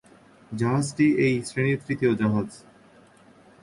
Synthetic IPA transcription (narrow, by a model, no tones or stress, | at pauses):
d͡ʑaɦazʈiejsɾeñiɾt̪ɾit̪ʰiod͡ʑaɦaz